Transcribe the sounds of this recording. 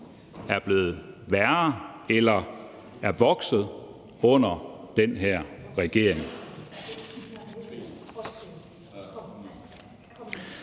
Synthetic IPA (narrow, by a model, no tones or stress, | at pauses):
æɐb̥le̝ːð̩ˠʋæɐelɐ | æɐʋɒ̽ɡ̥sð̞̩ˠ | ɔ̽n̰ɐd̥enɦæɐ̰ʁɛɡ̥e̝ɐ̰eŋ